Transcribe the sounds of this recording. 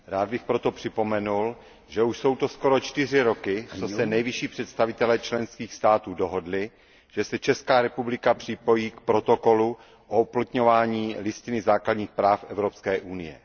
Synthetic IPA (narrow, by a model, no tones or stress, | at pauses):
ɾaːd̪̚bɪxpɾot̪opr̥ɪpo̞mɛnul | ʒɛuʃso̞wt̪o̞sko̞ɾo̞t͡ʃt̪ɪr̝ɪɾo̞kɪt͡sosɛnɛjvɪʃiːpr̝̥ɛt̪st̪avɪt̪ɛlɛːt͡ʃlɛnskiːxst̪aːt̪uːdo̞ɦo̞dlɪ | ʒ̥ɛsɛt͡ʃɛskaːɾɛpublɪkapr̥ɪpo̞jiːkpɾo̞t̪oko̞lu | ʔouplat̪ɲo̞vaːɲiːlɪscɪnɪzaːkladɲiːxpɾaːfʔɛvɾopskɛːʔunɪjɛ̰